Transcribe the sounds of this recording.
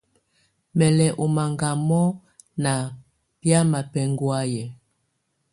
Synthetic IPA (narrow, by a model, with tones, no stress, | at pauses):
mɛ˨lɛ˨ʔo˨ma˨ŋɡa˨mɔ˦ | na˨ | pja˦ma˨pɛ˨ŋɡwa˦jɛ˨